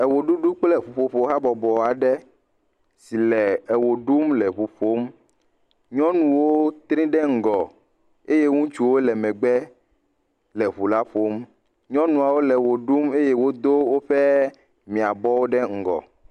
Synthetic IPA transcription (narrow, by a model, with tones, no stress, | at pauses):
ɛ˨wo˨ɖu˦ɖu˦k͡plɛ˦˨ɸu˨ɸo˨ɸo˨˦ɦa˦bɔ˨bɔ˨a˨ɖɛ˦ | si˨lɛ˨ɛ˨wo˨ɖu˦mlɛ˨ɸu˨ɸo˦m | ɲɔ̃˦nũ˨wo˦t̪ɾĩ˦ɖɛ˦ŋ̩˨ɡɔ˨ | e˦je˦ŋũ˦t͡ʃu˨wo˦lɛ˨mɛ̃˨ɡ͡bɛ˦ | lɛ˨βu˨la˦ɸo˦m | ɲɔ̃˦nũ˨a˨wo˦lɛ˨wo˨ɖu˦me˦je˦wo˦d̪o˦wo˦ɸɛ˦ | mĩ˨a˨bɔ˦wo˦ɖɛ˦ŋ̩˨ɡɔ̰˨